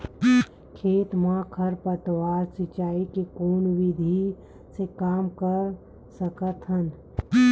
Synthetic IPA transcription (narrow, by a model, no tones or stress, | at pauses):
kʰeːt̪mãkʰəɾpət̪waːɾsɪt͡ʃaːikekoːnwid̪ʱi | sekaːmkəɾ | səkət̪ɦən